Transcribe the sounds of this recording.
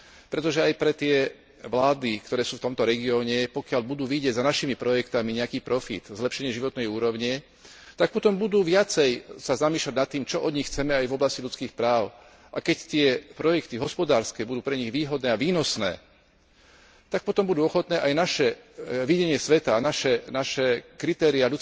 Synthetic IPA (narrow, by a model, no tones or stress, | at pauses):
pɾɛt̪ɔʒɛajpɾɛt̪ɪɛ | ʋlaːd̪ikt̪ɔɾɛːsuːft̪ɔmt̪ɔɾɛɡiɔːɲɛpɔkɪaʎbud̪uːʋiɟɪɛɟzanaʃimipɾɔjɛkt̪amiɲɛakiːpɾɔfḭt̪zlɛpʃɛɲɪɛʒiʋɔt̪nɛjuːɾɔʊɲɛ | t̪ak̚pɔt̪ɔmbud̪uːʋɪat͡sɛjsazamiːʃlaɟnat̪ːiːmt͡ʃɔʔɔd̪ɲixt͡sɛmɛajvɔblascilʎut͡skiːxpɾaːʊ | ʔakɛct̪ɪɛpɾɔjɛkt̪iɦɔspɔd̪aːɾskɛːbud̪uːpɾɛɲiɣʋiːɦɔd̪nɛːaʋiːnɔsnɛ̰ː | t̪ak̚pɔt̪ɔmbud̪uːɔxɔt̪nɛːʔajnaʃɛʋiɟɛɲɪɛsʋɛt̪aːnaʃɛnaʃɛkɾit̪ɛːɾiaʎut͡s